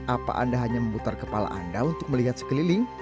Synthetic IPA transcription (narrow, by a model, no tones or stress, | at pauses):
ʔapa̰ʔa̰ndaɦaɲaməmbut̪arkəpala̰ʔa̰ndaunt̪ʊk̚məliɦat̪̚sə̥kəlilɪŋ